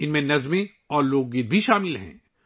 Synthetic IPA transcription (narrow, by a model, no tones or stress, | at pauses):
ɪnmẽnɐzmẽ | ɔːɾloːɡ̚ɡɪd̪bʱiʃaːmɪlɦɛ̰̃ː